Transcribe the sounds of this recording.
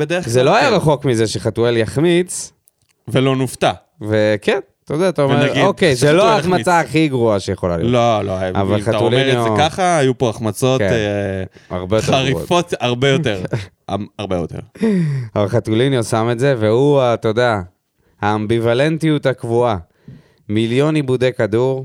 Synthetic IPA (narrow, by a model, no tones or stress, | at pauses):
bed̪ezelo̞ajaʁaχo̞kmize̞ʃeχatueljaχmit͡s | velo̞nuft̪a | ve̞ken | t̪od̪aːt̪aomeaiokejzeloaaχmat͡saːχiɡʁuaʃejeχo̞la̰lijololoajaa̰valχaatulnaχaːjupoaχmat͡so̞tke | a̰ʁbejoteaʁḭfot̪aʁbejoteʁ | aaʁbejot̪ḛʁavalχat̪ulinjosame̞tze̞vehuat̪o̞d̪ea | haːmbivale̞ntijut̪hakvua | miljo̞nibud̪ekad̪uʁ